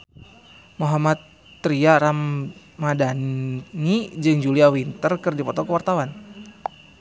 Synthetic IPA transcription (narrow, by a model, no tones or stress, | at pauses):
moɦamat̪ː | ɾiaɾamː | adannid͡ʒɨŋd͡ʒuliawint̪ərkɨrdipɔt̪ɔkəwart̪awan